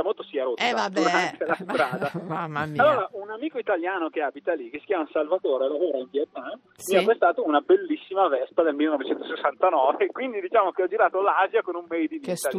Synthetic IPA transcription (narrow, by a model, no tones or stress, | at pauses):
amolt̪osiaɾot̪ːad̪uɾant̪elasɾaːd̪aalːoːɾaunamiːkoit̪aljaːnokeaːbit̪alikesi̥kʲjaːmaunsalvat̪oːɾelavoːɾainpjɛt̪ːan | miapɾest̪aːt̪ounabelːisːimavɛspad̪elmilːenɔvet͡ʃɛnt̪osesːant̪anɔːvekwind̪id̪it͡ʃaːmokeɔd͡ʒiɾaːt̪olazjakonumːɛjd̪init̪a